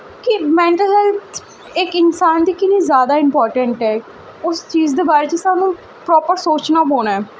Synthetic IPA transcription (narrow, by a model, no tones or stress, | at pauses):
kimɛ̃ːɳʈəlsɛːl | ɪkɪnsaːnd̪iːkɪniːzjaːd̪aːɪmpɔːɾʈəɳʈɛː | ʊst͡ʃiːzd̪eːbaːɾeːt͡ʃesaːnũː | pɾɔːpəɾsoːt͡ʃnaːboːnaːɛː